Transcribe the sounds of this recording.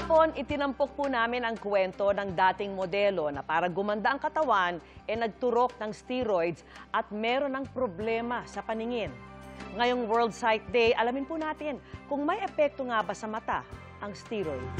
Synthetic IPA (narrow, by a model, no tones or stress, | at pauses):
po̞nʔɪt̪ɪnɐmpok̚punaːmɪnɐŋkwɛnt̪o̞nɐŋd̪aːt̪ɪŋmod̪ɛlo̞nɐpaːɾɐɡʊmɐnd̪aʔɐŋkɐt̪ɐwanʔɛnɐɡ̚t̪ʊɾo̞k̚nɐŋst̪iɾojd̪sʔɐt̪̚mɛːɾo̞nɐŋpɾoblɛːmɐsɐpɐnɪŋɪnŋɐjo̞ŋwɛɹld̪̚sajt̪̚d̪ɛjʔɐlɐmɪnpunaːt̪ɪnkʊŋmɐjʔɛpɛk̚t̪oŋabɐsɐmɐt̪a | ʔɐŋst̪iɾojd̪